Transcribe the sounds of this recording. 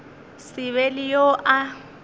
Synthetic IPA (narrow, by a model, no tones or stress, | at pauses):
sɪβɛlɪjoʔa